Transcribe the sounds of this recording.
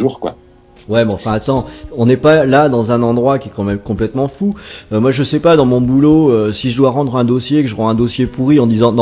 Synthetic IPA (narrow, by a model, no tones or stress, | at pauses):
ʒuːʁkwa̰ | wɛmɛɑ̃fɛ̃at̪ɑ̃ɔ̃nɛpalad̪ɑ̃zɛ̃nɑ̃d̪ʁwakʲiɛkɑ̃mɛmkɔ̃plɛt̪mɑ̃fuømwaʒəsɛpad̪ɑ̃mɔ̃buloøsiʒəd̪waʁɑ̃d̪ʁɛ̃d̪osjekəʒəʁɑ̃ɛ̃d̪osjepuʁiɑ̃d̪izɑ̃d̪̃